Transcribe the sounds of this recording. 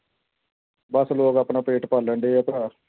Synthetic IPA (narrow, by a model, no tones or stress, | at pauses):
bəsloːɡaːpɳãːpeːʈpəlːəɳɖeːəp̪ɾaː